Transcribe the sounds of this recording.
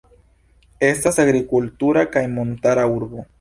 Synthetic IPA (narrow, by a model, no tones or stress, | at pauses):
e̞stasaɡɾikultuɾakajmo̞ntaɾauɾbo̞